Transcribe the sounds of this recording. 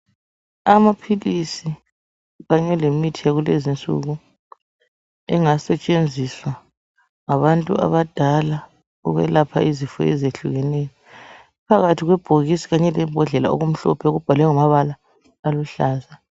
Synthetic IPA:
amapʰilisi | ɣaɲɛlemitʰijaɣulezint͡sʼṵɣu | ɛ̰ŋasɛt͡ʃʼend͡zʱiswa | ŋaβantʼṵa̰βad̥ʱala | ṵɣɛ̰lapʰaizifɔ̰ɛ̰zeɬuɣɛnɛjɔ | pʰaɣatʰiɣwɛb̥ʱoɣisi̥ɣaɲɛlɛmbʱɔɮɛla̰o̰ɣum̩ɬɔ̰pʰɛoɣub̥ʱalwɛŋɔmaβalaː | luɬaːza

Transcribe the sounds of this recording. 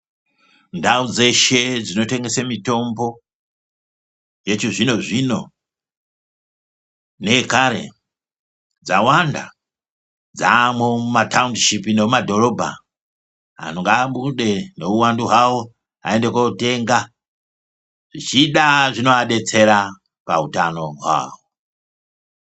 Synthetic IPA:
ndaud͡zeʃed͡zino̞teŋɡesamito̞mbo̞ | jet͡ʃizʷino̞ʐino | nekaɾḛ | d͡zawanda̰ | d͡zamomatʰaundʃipinoumadoɾobʱa̰ | a̰noŋɡaɓuɗenouwanduɦwawo | a̰endekouteŋɡa | ʐ̥it͡ʃiɗaʐino̞aɗet͡seɾa | pautanoɦwa̰ːwo

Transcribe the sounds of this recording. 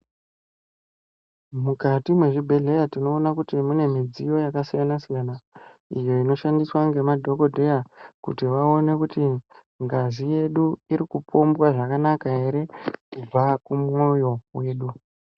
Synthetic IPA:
mukatimwe̞ʐibʱe̞ɮe̞jatino̞ːnakutimune̞mid͡zijo̞jakasijanasijanaḭjo̞ino̞ʃandiswaŋɡe̞madʱo̞ko̞dʱe̞jakṵtiʋaone̞kuti | ŋɡazije̞ɗuiɾikupʰo̞mbwaʐakanakaɦe̞ɾe̞kub͡vakumo̞jo̞we̞ːɗu

